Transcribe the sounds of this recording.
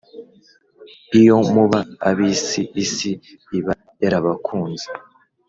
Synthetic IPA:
ijo̞muβaaβisiːsiː | βa | jeɾaβakʰuːnze

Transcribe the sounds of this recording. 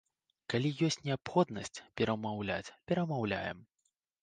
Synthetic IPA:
kalʲijɔsʲtt͡sʲnʲɛapxɔd̪nɐsʲt͡sʲpʲɛɾɐmawlʲa̰t͡sʲpʲɛɾɐmawlʲa̰jɛ̰m

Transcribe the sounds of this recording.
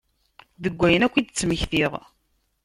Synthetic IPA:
ðəɡʷːæjənækʷːid̪t͡sːməçθiʁ

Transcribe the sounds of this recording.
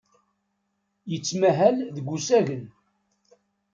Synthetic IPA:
jət͡sːmæɦælðəɡʷusæʝən

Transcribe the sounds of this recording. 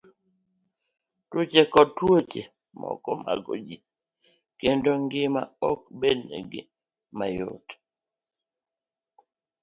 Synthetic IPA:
tot͡ʃekɔtwot͡ʃe | mɔ̰kɔmaɡo̰d͡ʒi | kendoŋɡɪmaɔk̚bednḛɡɪ | majo̰t

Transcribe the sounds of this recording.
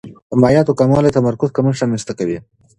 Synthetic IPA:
əmajɑt̪okamɑlet̪amɐɾkʊzkaməʂamist̪akawi

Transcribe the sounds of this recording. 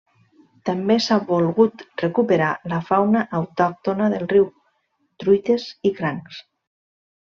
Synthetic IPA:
t̪ambesaβolɣut̪rekupeɾalafawnaʔawt̪ɔk̚t̪onaðelˠriw | t̪ɾujt̪esikɾaŋks

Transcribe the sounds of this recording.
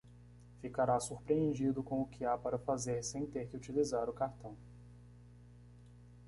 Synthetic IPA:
fikaɾasuɾpɾiẽnd͡ʒid̪ʊkõʊkʰɪapaɾɐfazeɾsẽj̃t̪eɾkɪut͡ʃilizaɾʊkaɾt̪ɐ̃w̃

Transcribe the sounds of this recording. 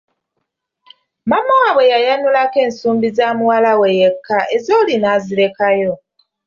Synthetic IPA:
mamːawaːβwe̞jajanulake̞ːnsuːmbizaːmuwalawe̞jekʰːaʔe̞zo̞ːlinaːziɾe̞kajo̞

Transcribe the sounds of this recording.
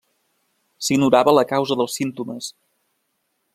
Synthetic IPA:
siɡnuɾaβələkawzəðəlˠsint̪uməs

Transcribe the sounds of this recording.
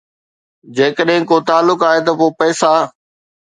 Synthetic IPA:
d͡ʑeːkəɗɦɪ̃kot̪aːlːʊkaːɦet̪̬ɐpoːpɛːsa

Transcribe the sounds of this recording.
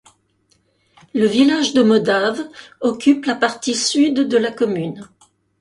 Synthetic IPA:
ləvilaʒd̪əmɔd̪avɔkʲyplapaʁt̪isyd̪ːəlakɔmyn

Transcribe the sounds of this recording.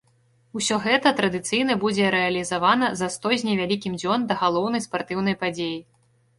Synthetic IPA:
usʲɔɣɛt̪ɐt̪ɾɐd̪ɨt̪sɨjnɐbud͡zʲɛɾɛɐlʲizavanɐzɐst̪ɔzʲnʲivʲalʲikʲimd͡zʲɔnd̪ɐɣalˠɔwnɐjspart̪ɨwn̪ɐjpad͡zʲeji

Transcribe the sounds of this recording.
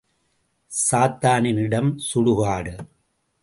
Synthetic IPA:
saːt̪ːaːnɪnɪɽɐmsʊɻʊɣaːɽɯ

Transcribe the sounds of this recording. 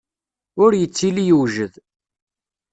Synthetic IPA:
ʊɾjət͡sːilijəwʒəð

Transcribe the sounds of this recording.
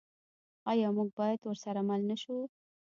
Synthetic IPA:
ɑjɑmuɡ̚bɑjad̪wəɾsaɾamalnaʃu

